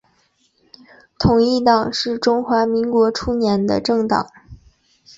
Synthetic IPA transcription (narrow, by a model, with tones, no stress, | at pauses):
t̪ʰʊ˨˩ŋi˥˩t̪ɑ˨˩ŋʂɻ̩˥˩ʈ͡ʂʊ˥ŋxwa˧˥mi˧˥ŋkwɔ˧˥ʈ͡ʂʰu˥njɛ˧˥nd̪ə̰˧ʈ͡ʂɤ˥˩ŋt̪ɑ̰˨˩˦ŋ